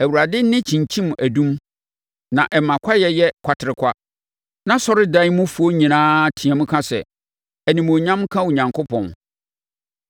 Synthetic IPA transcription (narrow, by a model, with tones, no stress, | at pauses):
æ˨wu˨ɾa˨dɪ˦n˦nɪ̃˦t͡ɕʰĩ˨ɲ˨t͡ɕʰĩ˦m˨ʔæ˨dũ˦m | nã˨ʔɛ˨mã˨kʷʰa˦jɛ˦jɛ˦kʷʰa˨tʰɪ˨ɾɪ˨kʷʰa˦ | nã˦sɔ˦ɾɪ˦dã˦i˦mʊ̃˦fu˨o˦ɲĩ˨nãː˦tʰĩ˨ã˨mʊ̃˦kʰã˦sɛ̰˨ | æ˨nĩ˨mo˨ɲã˦mkʰã˦u˨ɲã˨ŋkʰo˦pʰɔ̰̃˨n